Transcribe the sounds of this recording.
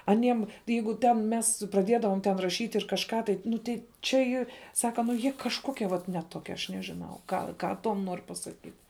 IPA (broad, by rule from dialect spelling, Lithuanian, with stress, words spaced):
ɐˈnʲiɛm ˈjɛɪɡʊ tʲɛn ˈmʲɛs prɐˈdʲiɛdɐʋoːm tʲɛn rɐˈʃʲiːtʲ ɪr kɐʃˈkɑː tɐɪ ˈnʊ tʲɛɪ t͡ʃʲɛ ˈiːr ˈsɑːkɐ nʊ ˈjiɛ ˈkɑːʃkoːkʲiɛ ʋɐt nʲɛ ˈtoːkʲiɛ ɐʃ nʲɛʒʲɪˈnɐʊ ˈɡɐlˠ ˈkɑː ˈtuɔm ˈnoːr pɐsɐˈkʲiːt